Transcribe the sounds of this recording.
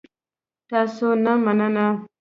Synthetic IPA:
tasonamanana

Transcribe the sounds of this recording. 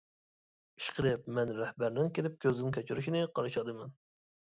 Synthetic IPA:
iʃqʰəɾɨp̚mɛnɾæhbæɾnɪŋkʲelɪp̚kʲʰøzɪŋkʲʰøt͡ʃʰyɾyʃinɪqʰɑɾɨʃɑd̪ɨmɛn

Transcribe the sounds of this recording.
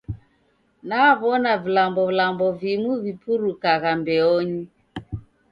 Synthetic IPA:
naβɔnavilambɔvlambɔvimuvipuɾukaɣambɛɔɲi

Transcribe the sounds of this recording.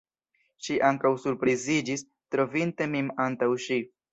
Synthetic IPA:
ʃiʔaŋkawsuɾpɾizid͡ʒis | tɾo̞vinte̞mimantawʃi

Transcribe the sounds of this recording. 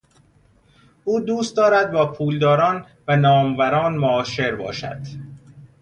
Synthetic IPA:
ʔuːd̪uːst̪̚d̪ɒːɾæd̪̚bɒːpʰuːld̪ɒːɾɒːn | vænɒːmvæɾɒːnmoɒːʃe̞ɾbɒ̰ːʃæ̰d̪̥

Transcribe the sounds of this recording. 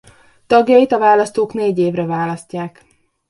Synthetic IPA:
t̪ɒɡjɒjit̪ɒvaːlɒst̪oːkneːɟeːvrɛvaːlɒscːaːk

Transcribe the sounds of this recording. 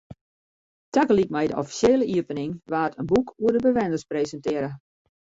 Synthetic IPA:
takəlikmɛjdəʔɔfi̥sjeːləʔiəpənɪŋʋaːtʰənbukʰuədəbəʋɛndəspreːzəntɪəɾə

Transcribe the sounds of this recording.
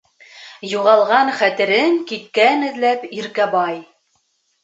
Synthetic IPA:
juʁɑlˠʁɑɴχæt̪ɘ̆ɾɘŋkit̪kænɘ̆ðlæpiɾkæbɑj

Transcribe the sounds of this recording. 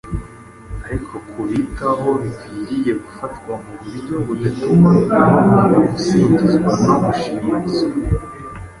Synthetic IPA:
aɾikʰo̞kʰuβitaɦo̞βikwiɾije̞ɡufatɡwamuβuɾɟo̞βudatumaaanaamusitizɡwanamuʃimazo

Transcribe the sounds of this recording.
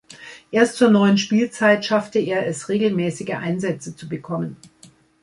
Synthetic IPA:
ʔeːɐstt͡suːɐnɔʏənʃpiːlt͡saɪtʃaftəeːɐɛsʁeːɡl̩mɛːsɪɡəʔa̰ɪnzɛt͡sət͡subəkʰɔmən

